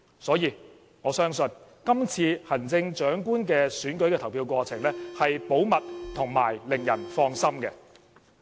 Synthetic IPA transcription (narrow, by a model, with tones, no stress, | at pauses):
sɔː˨˥jiː˧ | ŋɔː˨˧sœː˥ŋsɵ˨˧n | kɐ˥mt͡sʰiː˧hɐ˨˩nt͡sɪ˧ŋt͡ʃœː˨˥ŋkuː˥nkɛː˧syː˨˥nkɵ˨˥ɥkɛː˧t̪ʰɐ˨˩wpʰiː˧wkʷɔː˧t͡sʰɪ˨˩ŋlɛː˥hɐ˨jpo˨˥wmɐ˨t̚t̪ʰʊ˨˩ŋmaː˨˩jlɪ˨˩ŋjɐ̰˨˩nfɔː˧ŋsɐ˥mkɛ̰˧